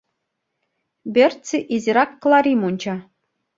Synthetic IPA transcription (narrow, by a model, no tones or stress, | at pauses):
bʲertt͡sʲiʔizʲiɾɑkːlˠɑɾʲimunʲt͡ɕɑ